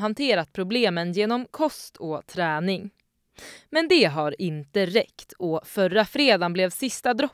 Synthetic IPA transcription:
ɦant̪ʰeːɾat̪̚pʰɾʊbleːmənjeːnɔmkʰɔst̪ʰɔt̪ʰɾɛːnɪŋ | mɛnd̪ɛɦaɾɪnt̪əɾɛkt̪ʰɔfœrafɾeːd̪anblɛvsɪst̪ad̪ɾɔ

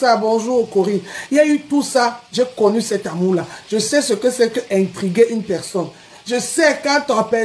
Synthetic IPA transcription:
sabɔ̃ʒuokoʁĩiaytusaʒekɔnysɛtamulaʒəsɛsəkəsɛkəʔɛ̃tʁiɡeʔynpɛʁsɔn | ʒəsɛkãtɔ̃pɛ

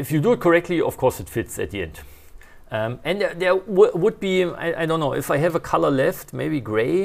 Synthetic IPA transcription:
ɪfjɨduɨt̚kʰəɹɛk̚tʰˡliɔ̰fkʰɔɹsɨtfɪtsɨ̰t̪̚ðiɛ̰̃nd̥ | ʌ̃mɨ̃nðɛðɛwʊwʊd̚bia̰ɪʔa̰ɪdõʊ̃nːoʊʔɨfaɪɨvəkʰalə˞lɛftmeɪbiɡɹeɪ

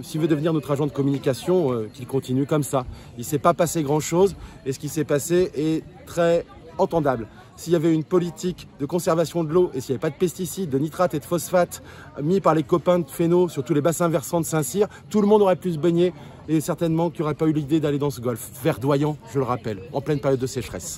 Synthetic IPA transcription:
silvød̪əvniʁnot̪χaʒɑ̃d̪əkɔmynikasjɔ̃økʲilkɔ̃t̪inykɔmsa | ilsɛpapaseɡʁɑ̃ʃozesə̥kʲisɛpaseʔɛt̪χɛ | ɑ̃t̪ɑ̃d̪abl | siljavɛynpɔlit̪ʰikd̪əkɔ̃sɛʁvasjɔ̃d̪əloʔesiljavɛpad̪əpɛst̪isid̪ːənit̪χat̪ed̪əfɔsfat̪ | mipaʁlekɔpɛ̃d̪əfenosyʁt̪ulebasɛ̃vɛʁsɑ̃d̪əsɛ̃siʁ | t̪uləmɔ̃d̪ɔʁɛplys̬əbɛɲe | esɛʁt̪ɛnmɑ̃kiɔʁɛpaylid̪ed̪aled̪ɑ̃səɡɔlf | vɛʁd̪wajɑ̃ʒ̥ələʁapɛlɑ̰̃plɛnpɛʁjɔd̪ːəsɛʃχɛs

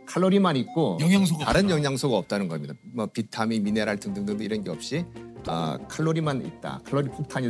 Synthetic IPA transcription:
kʰaɭːoɾimanit̚k͈oʌŋaŋsʰotaɾɯnjʌŋɦjaŋsʰoɡaʌp̚t͈anɯnɡʌmɲidamʌpitʰamimineɾaɭtʰɯŋdɯŋdɯŋdɯiɾʌnɡeʌp̚ɕ͈iʌ̰kʰaɭːoɾimanḭt̚t͈a̰kʰaɭːoɾipʰok̚tʰaɲi

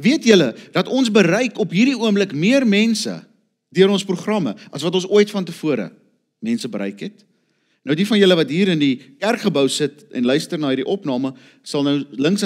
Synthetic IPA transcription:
viətjələd̥ɐtɔnsbəɾɛjkɔpɦiːɾdiuəmbləkmiərmɛnsə̰ | dyəɾɔnspruχrɐməɐsvɐtɔnsuəjtfɐntəfuəɾə̰ | mɛnsəbəɾɛjkɦɛt | nəwdifɐnjələvɐtɦiːɾəndikærkχəbəwsətɛ̰nlœɥstərnɑːɦiːɾiʔɔpnɑːmə | sɐlˠnəwləŋks

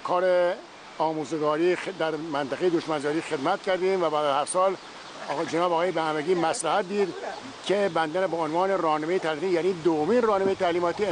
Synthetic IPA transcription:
kʰɒːɾe | ɒːmuːzeɡɒːɾiːxd̪æɾmænt̪ʰæɣejed̪oʃmænzɒːɾiːxed̪mæt̪̚cʰæɾd̪ĩːmvæbæːd̪æzhæɾsɒːl | d͡ʒenɑːbɒːɣɒːjebehæmeɡiːmæslæhæt̪̚d̪iːd̪ | cʰebænd̪ænbɒonvɑːneɾɒːhnemejet̪ʰælimːt̪ijæːniːd̪ovomiːnrɒːnemejet̪ʰæliːmɒːt̪i

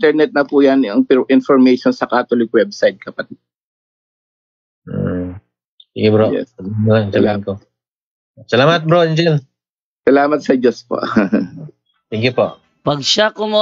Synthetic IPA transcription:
t̪ɛɹnɛt̪̚nɐpujɐnɐŋpɪʔɪnfɔɹmɛjʃonsɐkaːt̪olɪkwɛbsajd̪̚kɐpɐt̪ɪd̪̚ | siɡɪbɾojɛ̰snsɐlamɐt̪ko | sɐlaːmɐt̪̚bɾoɛnd͡ʒɛl | sɐlaːmɐt̪̚sɐd͡ʒospo̰ʔ | sɛŋɡjʊpoʔ | pɐɡ̚ʃakʊmo

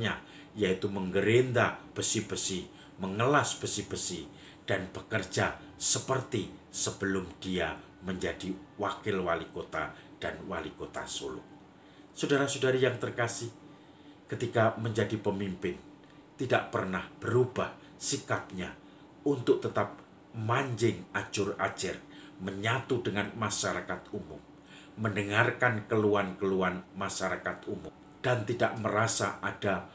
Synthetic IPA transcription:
ɲa | jait̪uməŋɡəɾend̪ab̥əsihb̥əsɪh | məŋəlasb̥əsɪhb̥əsɪh | d̥anb̥əkərd͡ʒasəpərt̪isəb̥əlʊmd̥ia | məɲd͡ʒadiwakɪlwalikot̪ad̥anwa̰likot̪a̰so̰lʊ̰k̚ | sudaɾasudaɾajaŋt̪ərkasɪh | kət̪ikaməɲd͡ʒadipəmimpɪn | t̪idaʔpərnahb̥əɾubah | sikap̚ɲa | unt̪ʊk̚t̪ət̪ap̚ | maɲd͡ʒɪŋḁd͡ʒʊra̰d͡ʒarməɲat̪udəŋanmaʃaɾakat̪umʊ̰mː | əndəŋarkankəluankəluanmaʃaɾakat̪umʊm | d̥ant̪idaʔməɾasa̰ʔad̥a

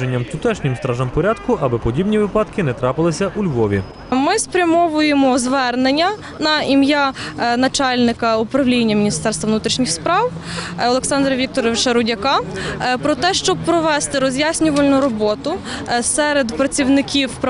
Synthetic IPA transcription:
enʲːɐmt̪ʊt̪ɛʃnʲɪmst̪ɾɑʒɐmpɔɾʲad̪kʊʔɐbɛpɔdʲibnʲiʋɪpɑt̪kɪnɛt̪ɾɑpɪlˠɪsʲɐʔulʲʋɔʋʲḭ | mɪspɾʲɐmɔʋʊjemɔzʋɛrnenʲːɐ | nɐimjanɐt͡ʃɑlʲnɪkɐʊpɾɐwlʲinʲːɐmʲinʲist̪ɛrst̪ʋɐʋnut̪ɾʲiʃnʲixspɾɑwɔlˠeksɑnd̪ɾɐʋʲik̚t̪ɔɾɔʋʃɛɾʊdʲɐkɑpɾɔt̪ɛʃt͡ʃɔb̚pɾɔʋɛst̪ɪɾɔzʲjasʲnʲʊʋɐlʲnʊɾɔbɔt̪ʊsɛɾed̪pɾɐt͡sʲiwnɪkʲiwp

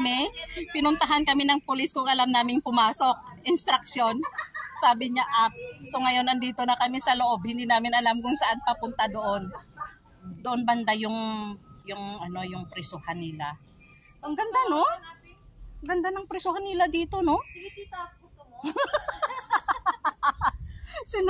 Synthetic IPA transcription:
mɛpɪnʊnt̪ɐɦankɐmɪnɐŋpʊlɪskʊŋʔɐlamnaːmɪŋpʊmaːso̞k̚ʔɪnst̪ɾɐk̚ʃjo̞nsaːbɪɲaʔap̚soŋɐjo̞nɐnd̪iːt̪o̞nɐkɐmisɐloʔo̞b̚hɪnd̪iːnaːmɪnɐlamkʊŋsɐʔanpɐpʊnt̪ad̪o̞ʔon | d̪oʔonbɐnd̪ajʊŋjʊŋʔɐno̞jʊŋpɾɛsohanːɪla | ʔɐŋɡɐnd̪ano̞ | ɐŋɡɐnd̪anɐŋpɾɛsohanːɪlad̪iːt̪o̞no̞ | sɪ

